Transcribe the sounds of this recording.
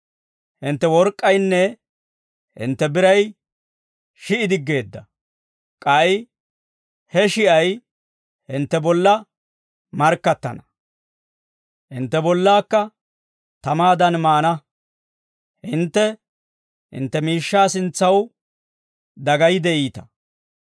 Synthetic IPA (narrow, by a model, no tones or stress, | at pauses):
hɪnt̪ːɛwɔɾkʼːɐjnːɛ | hɪ̰nt̪ːɛbɪɾɐj | ʃɪʔɪd̪ɪɡːe̞ːd̪ːɐ | kʼɐj | hɛʃɪʔɐj | hɪnt̪ːɛbɔlːɐ | mɐɾkːɐt̪ːɐ̰nɐ | hɪnt̪ːɛbɔlːaːkːɐ | t̪ɐmaːd̪ɐnmaːnɐ | hɪnt̪ːɛ | hɪ̰nt̪ːɛmiːʃːaːsɪnt͡sːɐw | d̪ɐɡɐjɪd̪ɛʔiːt̪ɐ̥